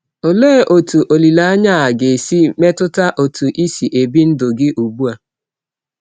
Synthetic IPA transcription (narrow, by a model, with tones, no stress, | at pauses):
o˨le˦˨ʔo˨tu˨ʔo˨li˨la˦a˦ɲa˦a˨ɡe˨si˦me˦tʊ˦ta˦ʔo˨tu˨ʔi˦si˨ʔe˨bi˦n̩˦dʊ˨ɡɪ˦ʔu˨bu˦a˨